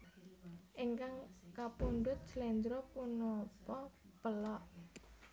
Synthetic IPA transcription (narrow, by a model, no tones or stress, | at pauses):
ʔiŋkaŋkapuɳɖʊt̪̚d͡ʒ̥əlɛnd̪ɾɔpunɔt̪ɔpəlɔʔ